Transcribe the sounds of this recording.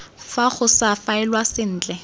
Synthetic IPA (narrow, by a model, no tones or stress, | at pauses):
faχʊsafaɛlwasɪn̩ːt͡ɬʼɛ